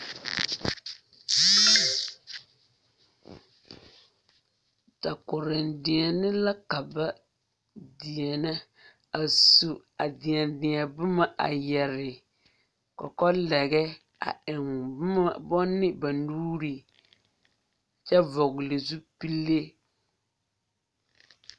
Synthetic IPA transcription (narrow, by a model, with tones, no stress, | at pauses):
ta˨kʊ˨ɾɪ˨ndɪ˨ɛ˨nɪ˦la˦ka˨ba˦ | dɪ˨ɛ˨na˦ | a˨su˨ | a˨dɪ˨ɛ˨ndɪ˨ɛ˨bʊ˦ma˦ʔa̰˨jɛ˨ɾɪ˨ | kɔ̰˨kɔ˦lɛ˨ɡɛ˦ | a̰˨ɪ˨ŋ˦ | bɔ˦nːɪ˦ba˨nuː˦ɾi˨ | t͡ʃɛ˦vɔ˨ɣlɪ˨zu˦pi˦lːe˦